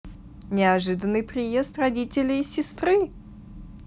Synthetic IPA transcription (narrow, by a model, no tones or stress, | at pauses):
nʲɪɐʐɨd̪ənːɨjpɾʲɪjest̪rɐdʲitʲɪlʲɪsʲɪst̪ɾɨ